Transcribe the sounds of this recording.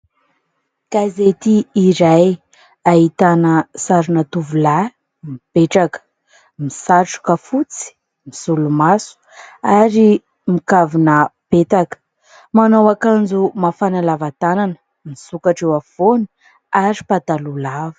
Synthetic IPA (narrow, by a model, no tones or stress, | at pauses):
kazet̪iːɾaj | aɦit̪anəsaɾunat̪uvula | mipeʈ͡ʂakə̥ | misaʈ͡ʂu̥kafut͡si̥ | misulumasu̥aɾi | mikavunəpet̪akə̥ | manowakand͡zumafanalavat̪anan | misukaʈ͡ʂewafoni̥ | aɾipat̪alulavə̥